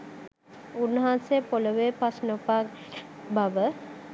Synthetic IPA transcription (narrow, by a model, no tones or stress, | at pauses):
unːəɦanseəpoləʋepasnopakbaʋə